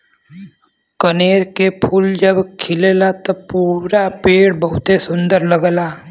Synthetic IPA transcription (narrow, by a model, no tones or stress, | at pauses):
kəneːɾkepʰuːld͡ʒəbkʰɪlelat̪opuːɾapeːɽbəɦʊt̪esʊ̃nd̪əɾləɡəlaː